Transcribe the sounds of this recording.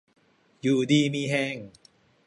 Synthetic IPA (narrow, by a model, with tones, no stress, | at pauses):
juː˨˩diː˧miː˧ɦɛː˧˩ŋ